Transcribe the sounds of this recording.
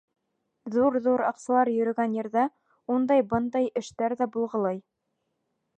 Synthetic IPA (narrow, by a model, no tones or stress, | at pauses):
ðuɾðuɾɑ̰qsɑlˠɑɾjɵ̆ɾɵ̆ɡænjɘ̆ɾðæ | und̪ɑjbɤnd̪ɑjɘ̆ʃt̪æɾðæbulˠʁɤ̆lˠɤj